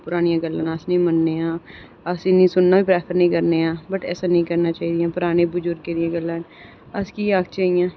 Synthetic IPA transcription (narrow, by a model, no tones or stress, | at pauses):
pʊɾaːnijãːɡəlːãːnəsnĩːmənːeːãː | əsɪnĩːsʊnːaːbiːpɾɛːpʰəɾnəĩːkəɾneːãːbəʈɛ̰ːsaːnəɦĩːkəɾnaːt͡ʃaːiːd̪ijãːpʊɾaːneːbʊd͡ʒʊɾɡkeːd̪ɪjãːɡəlːãːn | əskiːaːkt͡ʃaːijãː